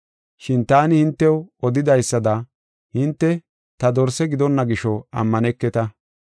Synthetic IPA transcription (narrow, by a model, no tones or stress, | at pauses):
ʃɪnt̪aːnɪhɪnt̪ːɛwɔd̪ɪd̪ɐjsːɐd̪ɐ | hɪnt̪ːɛ | t̪ɐd̪ɔɾsɛɡɪd̪ɔnːɐɡɪʃɔɐ̰mːɐnɛkːɛt̪ɐ